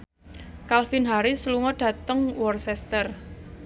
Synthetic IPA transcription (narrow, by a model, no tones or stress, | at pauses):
kalfinɦaɾisluŋɔɖ̥ä̤t̪əŋwɔrsɛst̪ər